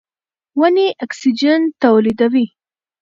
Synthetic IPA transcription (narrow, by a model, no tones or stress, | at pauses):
waniʔaksid͡ʒant̪awlid̪awi